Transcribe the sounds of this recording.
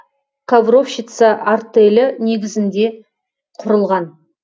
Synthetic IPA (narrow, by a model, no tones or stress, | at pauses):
kʰavro̞fʃɪt̪səʔart̪elʲɪne̞ɡʲɪzɪnd̪e̞ | qʰʊɾəlˠʁɑn